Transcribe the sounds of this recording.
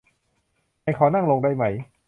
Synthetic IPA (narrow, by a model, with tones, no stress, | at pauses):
ma˧jkʰɔː˨˩˦na˥˩ŋlo˧ŋda˧jma˩˦j